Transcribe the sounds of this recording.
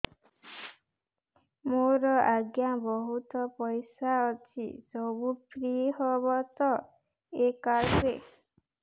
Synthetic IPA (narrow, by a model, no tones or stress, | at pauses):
moɾɔaɡjabɔɦut̪ɔpɔjsaɔt͡ʃʰḭsɔbupɾiɦɔbɔt̪ɔ | ekaɾke